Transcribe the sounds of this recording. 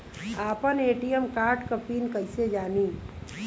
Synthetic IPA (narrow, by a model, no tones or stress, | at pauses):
aːpəneːʈijəmkaːɾʈkəpiːnkəɪsed͡ʒaːni